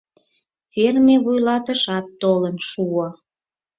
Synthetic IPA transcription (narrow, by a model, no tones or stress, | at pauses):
fermeβujlɑt̪əʃɑt̪ːolənʃuo